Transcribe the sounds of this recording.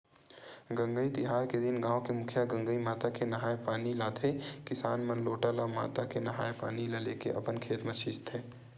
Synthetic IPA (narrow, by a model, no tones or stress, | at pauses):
ɡɐ̃ŋɡəit̪ɪɦaːɾked̪ɪnɡãːokemʊkʰjaɡɐ̃ŋɡəimaːt̪akenɐɦaːjpaːnilaːt̪ʰekɪsaːnmɐnloːʈalama̰ːt̪akenɐɦa̰ːjpa̰ːnilaleːkeʔɐpənkʰeːt̪mɐʃɪst̪ɦɛː